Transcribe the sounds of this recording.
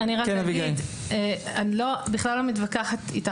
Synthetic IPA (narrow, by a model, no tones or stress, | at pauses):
aniʁakenaviɡa | eanlobiχlalːomit̪vakaħat̪ita